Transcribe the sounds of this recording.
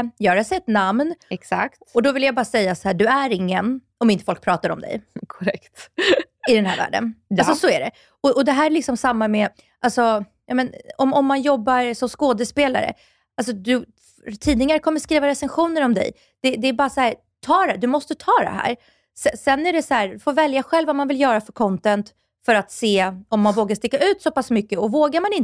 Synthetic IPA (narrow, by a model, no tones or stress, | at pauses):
jɑːɾasɛt̪ːnamnɛksa̰kt̪ɔd̪ɔvɪljabɑːɾsɛjːasɔhæːɖɵæɾɪŋːən | ɔmɪnt̪əfɔlk̚pʰɾɑːt̪aɾɔ̰md̪ɛ̰jkʰɔɾɛkt̪ | ɪd̪ɛnhæ̰ːɾvæ̰ːɖə̰nasɔsɔæɖɛ | ɔʔɔd̪ɛɦæːɾɛɭɪksɔmsamːamɛ | ʔalsɔ | jɑːmɛnɔmɔmːanjɔbːaɾsɔmskoːd̪əspeːla̰ɾə̰ | als̬ɔd̪ɵ | t̪ʰiːd̪nɪŋaɾkʰɔmːəɾʂkɾiːvaɾɛsɛnɧuːnəɾɔmd̪ɛ̰j | d̪̥ɛd̪ɛːbɑːɾasahæːɾ | t̪ʰɑːɖɛd̪ɵmɔst̪ət̪ʰɑːd̪ɛ̰ɦæ̰ːɾ | sɛsɛnːæɖɛsɔhæːɾfoːɾvɛljaɧɛlvamanvɪljœːɾafœɾkʰɔnt̪ɛnt̪ | fœɾat̪seːɔmːanvoːɡaʂt̪ɪkːaʉ̟ːt̪sɔpasmʏkːəɔvoːɡaɾmanɪn